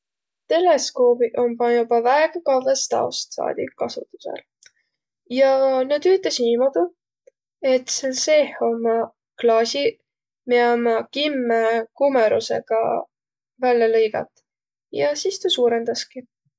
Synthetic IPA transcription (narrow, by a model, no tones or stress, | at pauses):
t̪e̞le̞sko̞ːbiʔo̞mbɑjubɑvæeɡ̥ɑkɑlvest̪ɑ̰ost̪sɑ̰ːd̪̥iːɑsṵt̪ːˑu̥sḛl | jɑnyd̪yt̪ˑlesniːmod̪̥u | e̞t̪selse̞ho̞mɑ | klɑːsʲi | meɑmɑkimːekumeɾṵse̞̰ɡ̥ɑ̰ | vælːɑlɤjɡ̥ɑ̰t̪ˑ | jɑsist̪usuːɾe̞nd̪̥ɑski